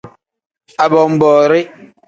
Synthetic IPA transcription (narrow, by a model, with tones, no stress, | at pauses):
a˨bɔ˨m̩˨bɔː˨ɾe˦